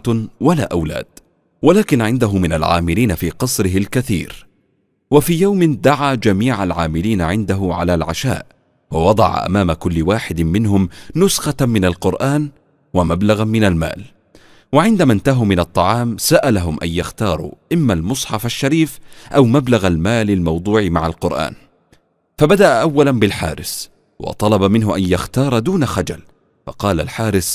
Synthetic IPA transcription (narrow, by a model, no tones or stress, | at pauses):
walaːʔawla̰ːd̪̥ | walaːkɪnʕɪnd̪aɦʊmɪna̰lʕa̰ːmɪliːnafiːqɑsˤɾɪɦɪlkaθḭːɾ | wafiːjawmɪd̪aʕaːd͡ʒamiːʕalʕaːmɪliːnaʕɪnd̪aɦʊʕa̰laːlʕa̰ʃa̰ːʔ | wɑwɑd̪ˤɑ̰ʕa̰ʔa̰maːmakʊlːɪwaːħɪd̪mɪnɦʊmnʊsxɑmɪnalqʊɾʔaːn | wamablaɣamɪnalma̰ːl | waʕɪnd̪amant̪aɦumɪnɑt̪ˤːɑʕɑːmsaʔalaɦʊmʔa̰jjaxt̪ɑːɾˤṵʔɪmːalmʊsˤħɑfaʃːaɾiːfʔawmablaɣalmaːlalmɑwd̪ˤuːʕmaʕalqʊɾʔa̰ːn | fabad̪aʔaʔawːalanbɪlħa̰ːɾɪs | wɑ̰t̪ˤɑlɑbamɪnɦʊʔanjaxt̪ɑːɾˤd̪uːnaxad͡ʒal | fɑ̰qɑːla̰lħaːɾɪs